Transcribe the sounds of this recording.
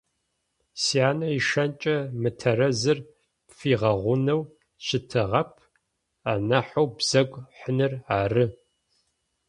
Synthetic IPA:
siaːnɐiʃɐnt͡ʃʼɐmɨtʰɐrɐzɨr | fiːʁɐʁʷʊnɐw | ʃɪtʰɨʁɐpʰ | aːnɐħowbz̥ɐɡʷʼħənɨraːrɨ

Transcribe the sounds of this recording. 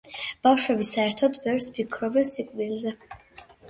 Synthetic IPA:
b̥afʃwɛbisaɛɾt̪ʰɔd̪bɛvɾspʰikʰɾɔbɛnsikʼd̪ilzɛ

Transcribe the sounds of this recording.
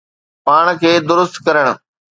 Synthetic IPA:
paːɽ̃kʰeːd̪ʊɾʊst̪kɐɾəɽ̃ʊ̆

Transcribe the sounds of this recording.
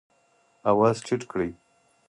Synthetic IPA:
awaːzt͡ʃʰiʈkɽij

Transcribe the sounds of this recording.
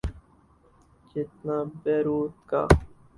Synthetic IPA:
d͡ʒɪt̪nabɛɾuːt̪ka̰

